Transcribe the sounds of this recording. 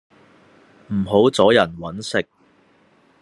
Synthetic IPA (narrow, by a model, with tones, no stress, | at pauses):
m̩˨˩ɦo˨˥wt͡sɔː˨˥jɐ˨˩nwɐ˨˥nsɪ˥k̚